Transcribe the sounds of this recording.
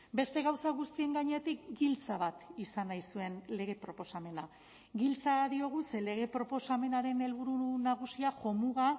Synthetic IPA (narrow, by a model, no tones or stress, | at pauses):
be̞st̪e̞ɣawsaɣ̞ust̪ie̞ŋɡaɲeet̪ikɡilt͡saβ̞at̪isanajsue̞nle̞ɣ̞e̞pɾopo̞same̞na | ɡilt͡saðio̞ɣ̞use̞le̞ɣ̞e̞pɾo̞po̞same̞naɾe̞ne̞lβ̞uɾunaɣ̞usiaxo̞muɣa